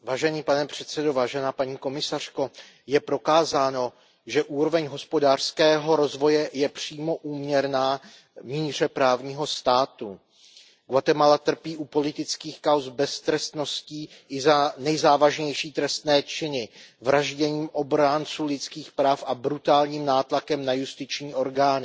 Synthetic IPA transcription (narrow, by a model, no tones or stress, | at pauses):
vaːʒɛniːpanɛpr̝̥ɛt̪t͡sɛdovaːʒɛnaːpaɲiːko̞mɪsar̝̥ko̞ | jɛpɾo̞kaːzaːno̞ | ʒɛʔuːɾo̞vɛɲɦo̞spo̞daːr̥skɛːɦo̞ɾo̞zvo̞jɛjɛpr̝̥iːmo̞ʔuːmɲɛɾnaː | miːr̝ɛpɾaːvɲiːɦo̞st̪aːt̪u | ɡ̥wat̪ɛmalat̪r̩piːʔupo̞lɪt̪ɪt͡skiːxkawzbɛst̪ɾɛst̪no̞sciːʔɪzanɛjzaːvaʒɲɛjʃiːt̪ɾɛst̪nɛːt͡ʃɪnɪvɾaʒɟɛɲiːmʔo̞bɾant͡suːlɪt͡skiːxpɾaːfʔabɾut̪aːlɲiːmnaːt̪lakɛmnajust̪ɪt͡ʃɲiːʔo̞ɾɡaːnɪ